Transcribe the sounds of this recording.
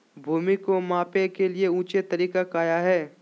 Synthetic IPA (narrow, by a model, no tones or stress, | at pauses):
bʱuːmikomãːpekelieũːt͡ʃet̪ɐɾiːkakaːjaɦɛː